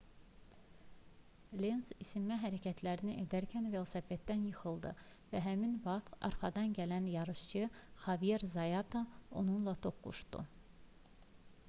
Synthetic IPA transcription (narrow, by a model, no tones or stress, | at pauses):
lensisimːæɦæɾæcʰæt̪ʰlæɾiniʔed̪æɾcʰænvelˠsæfet̪d̪ːænjɯxɯlˠd̪ɯ | væɦæminvɑt̪ɑ̰ɾχɑd̪ɑnɟælænjɑɾɯʃt͡ʃʰɯχɑvijeɾzɑjɑt̪ʰao̞nunlˠɑt̪ʰo̞kːṵʃd̪ṵ